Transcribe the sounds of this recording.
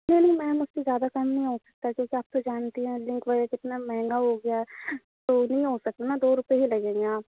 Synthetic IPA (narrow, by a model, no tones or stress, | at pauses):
nɐɦĩnɐɦĩmɛ̃mʊd͡ʒsezjaːd̪akɐmnɐɦĩɦosɐk̚t̪akjõːkiaːp̚t̪od͡ʒaːnt̪iɦɛ̃lɪ̃ŋkbəɾekɪt̪namɛɦɛ̃ŋɡaɦoɡɐja | t̪oːnɐɦĩɦosɐk̚t̪anad̪oːɾʊpeɦilɐɡẽːɡeaːp